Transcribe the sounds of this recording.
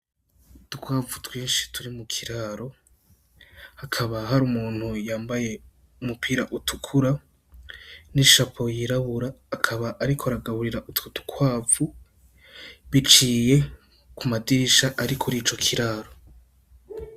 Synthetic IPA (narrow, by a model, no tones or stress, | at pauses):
tukwaːvutwiːnʃi̥tʰuɾimukʰiɾaɾo̞ | hakʰaβaɦaɾumuːn̥hujaːmbaje̞ | umupʰiːɾaʔutʰukʰuɾa | niʃapʰo̞jiɾaβuɾaːkʰaβaʔːɾikʰoaɾaɡaβuɾiɾaʔututu̥kʰwaːvu | βit͡ʃiːje̞ | kumadiɾiʃaʔaɾikʰuɾiːt͡ʃo̞kʰiɾaːɾo̞